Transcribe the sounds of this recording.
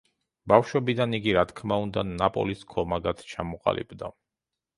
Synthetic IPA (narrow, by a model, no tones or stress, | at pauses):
bafʃwɛbid̪aniɡiɾat̪ʰkʰmaund̪anapʼɔ̰liskʰɔmaɡat̪ʰt͡ʃʰamɔqʼa̰lḭbd̪a